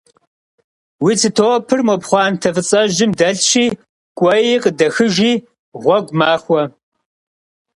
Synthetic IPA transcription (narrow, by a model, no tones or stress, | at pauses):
wiːt͡sʰɨtʰopʰɨrmɔpχʷɑːntʰɐvɨt͡sʼɐʒɪmdɐɬʃiː | kʷʼɔjiqədɐxɨʒiː | ʁʷɔɡʷmaːxʷɔ